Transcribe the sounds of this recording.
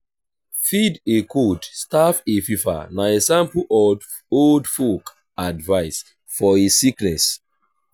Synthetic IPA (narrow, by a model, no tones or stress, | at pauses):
fidekʰodstafefifa̰naesãmpuʔɔd | oldfok | advaɪs | fɔisiknɛs